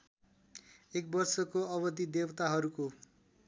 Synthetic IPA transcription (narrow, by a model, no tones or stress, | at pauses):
ek̚bʌrsʌkoʌβʌd̪id̪ewʌt̪aɦʌɾuko